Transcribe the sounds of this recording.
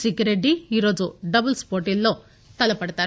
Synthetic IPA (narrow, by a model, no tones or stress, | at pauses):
siɡɐɾeɖiiːɾo̞ːd͡ʒuɖɐbɐlspoːɾʈilːoː | t̪ɐlɐpɐɽt̪aːɾ